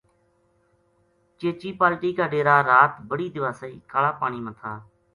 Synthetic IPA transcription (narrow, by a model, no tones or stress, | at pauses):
t͡ʃeːt͡ʃiːpaːlʈiːkaːɖeːɾaːɾaːt̪bəɽiːd̪ɪʋaːsəḭːkaːlaːpaːɳ̃iːmət̪ʰaː